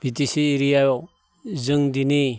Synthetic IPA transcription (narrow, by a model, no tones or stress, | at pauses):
b̥ʱitisiːɾijajɔ | zɯŋdini